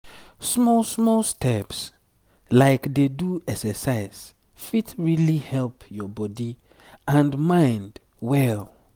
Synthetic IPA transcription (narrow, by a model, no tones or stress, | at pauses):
smɔlsmɔlstʰɛps | laɪkdeduɛksɛsaɪs | fitɹilihɛlpjɔbɔdi | ãndmãɪ̃nd | wɛl